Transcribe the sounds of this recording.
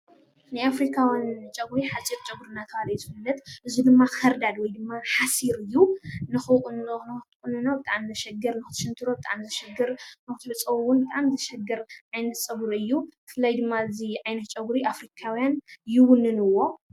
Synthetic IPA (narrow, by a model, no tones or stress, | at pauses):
najafɾikʰawjant͡ʃʼɐɡuɾiħat͡sʼiɾt͡ʃʼɐɡuɾɨnːat̪ʰɐalɐjzɨfɨlːɐt̪ʔɨzud̪ɨmːaxɐɾd̪ad̪wɔjd̪ɨmːaħasiɾɨjːunɨxɨnɨt̪kʼɨnɨnobɨt̪ʼaʕamzɨʃɛɡɐɾnɨxɨt̪ʰɨ̥ʃɨnt̪ʰɨɾobɨt̪ʼa̰ʕamzɨʃɛɡɐɾnɨxɨ̥t̪ɨbɐt͡sʼɐwwːʊnbɨt̪ʼaʔmzɐʃɛɡɐɾʕajnɐt̪t͡sʼɐβɨɾɨjːubɨfɨlajd̪ɨmːaɨziʕajnɐt̪̚t͡ʃʼɐɡɾiʔafɾikʰawjanjɪwʊnːɨnɨwːo̞